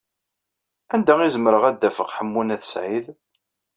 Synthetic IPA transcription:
ænd̪æizəmɾəʁæd̪ːæfəqħəmːunæθə̥sʕið

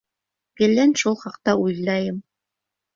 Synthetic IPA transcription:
kɘ̆lːænʃulˠχɑqt̪ɑujlˠɑjɤm

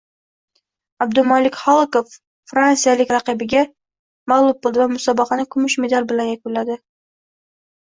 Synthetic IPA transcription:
ab̚d̪ʊmɒlɪkʲχɒlˠkofː | ɾansijalɪkʲɾɑqɨbɪɡʲa | malˠʊb̚bolˠd̪ɪvamʊsɒbɑqɑnɪkʰʊmʊʃmed̪aɾbɪlanjakʲʊnlːad̪ɪ

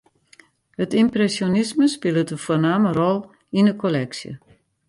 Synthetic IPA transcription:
hətimprɛsjonisməspɪlˠətəfuːnaːmərɔlˠ | inəkʰolɛksjə̰

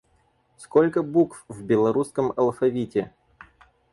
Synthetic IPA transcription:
skolʲkəbukfvbʲɪlˠɐɾuskəmɐlˠfɐvʲitʲɪ

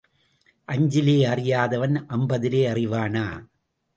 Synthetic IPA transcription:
ʔɐɲd͡ʒɪleːɐrɪjaːðɐʋɐnʔɐmbɐðɪleːɐrɪʋaːnaː

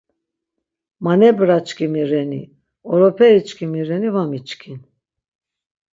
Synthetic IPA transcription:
manɛbɾat͡ʃkʰimiɾɛnḭ | ɔɾɔpʰɛɾit͡ʃkʰimiɾɛnivamit͡ʃkʰin

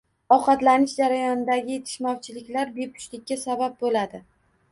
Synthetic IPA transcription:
ɒqɑt̪lanɪʃd͡ʒaɾajɒnɪd̪aɡʲɪje̞t̪ʰɪ̥ʃmɒwt͡ʃʰɪlɪkʲlaɾbe̞pʰʊ̥ʃlɪkʲːasabap̚bolad̪ɪ

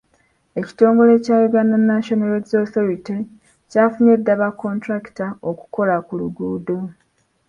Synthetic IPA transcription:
e̞ci̥to̞ːŋɡo̞le̞ːcaːβoɡanːanːaʃonaɾezoθoɾiti | caːfuɲedːaβakːo̞ntɾaki̥taoku̥ko̞lakuluɡuːdo

